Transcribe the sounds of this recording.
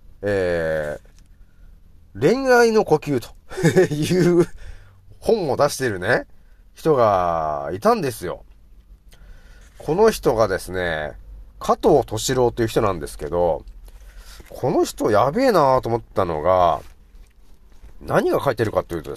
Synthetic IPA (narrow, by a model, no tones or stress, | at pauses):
eː | ɾẽ̞ŋaino̞ko̞kʲɨːt̪o̞̥jɯː | hõ̞mːo̞d̪aɕi̥t̪e̞ɾɯ̟ne̞ | çi̥t̪o̞ɡait̪ãnd̪e̞sɨjo̞̰ | kʰo̞no̞çi̥t̪o̞ɡad̪e̞sɨne̞̰kʰat̪oːt̪o̞ɕiɾo̞ːt̪ːoiɯ̟çi̥t̪o̞nãnd̪e̞sɨ̥ke̞d̪o̞̰ | kʰo̞no̞çi̥t̪o̞jabe̞ːnat̪oːmot̪ːano̞̰ɡa̰ | naɲ̟iɡakait̪e̞ɾɯ̟kat̪ːojiɯ̟ːt̪od̪e